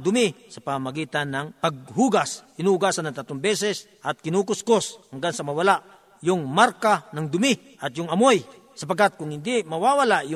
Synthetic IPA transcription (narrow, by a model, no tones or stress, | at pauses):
d̪ʊmɪsɐpamaɡiːt̪anːɐŋpɐɡ̚huːɡasɪnuuɡasanːɐŋt̪at̪ombɛsɛs | ʔɐt̪̚kɪnukʊskosɐŋɡansɐmɐwɐlaʔ | jʊŋmaɾkanɐŋd̪ʊmɪ | ʔɐt̪jʊŋɐmoj | sɐpaɡat̪̚kʊŋhɪnd̪ɪmɐwawalaʔjʊ